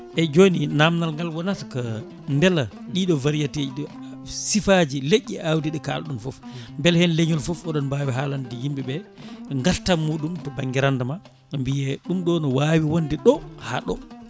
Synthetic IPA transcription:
ʔɛd͡ʒoːninamnalŋɡalwɔnatḁka | ndɛla | ɗiɗɔvaɾijated͡ʒiɗɔ | sifad͡ʒileʔːiʔawdiɗɛka̰lɗunfɔfmbɛlhɛnleɲɔlfɔfɔɗɔnbaːwiɦaːlandijimbɛbɛŋɡaltamːuːɗumtɔbaŋɡiɾandama | mbijɛɗumɗɔnɔwawiwondiɗɔha̰ɗɔ̰

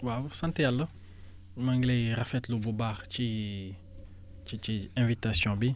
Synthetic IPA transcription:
wawsɐntɛjalːə | mɐŋɡlɛjrɐfɛtlububaːχci | t͡ʃit͡ʃiɛ̃vitasjɔ̃bi

